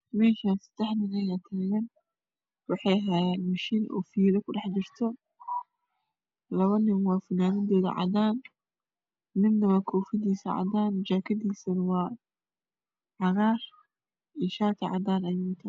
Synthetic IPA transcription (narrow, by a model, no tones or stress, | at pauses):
mɛːʃaːnsɐ̥d̪̥ɛħnɪnɐjaːt̪ʰaːɣɐn | wɑħɑjɦɐjaːnmɐʃiːnʔɔ̰ːfiːlɔkʰʊɖɑħd͡ʒɪrt̪ʰɔ | lɐβɐnɪmwɑːfɐnaːnɪd̪ɔːðɐ̰ʕɑ̰d̪aːn | nɪmnɐβɐkʰɔːfɪd̪iːsɐʕɑ̰d̪aːnt͡ʃaːkʰɐd̪iːsɐnwɑː | ʕɑɣaːr | ɪʃaːt̪ʰɐʕɑ̰d̪aːnɐjʊŋt̪ʰɐ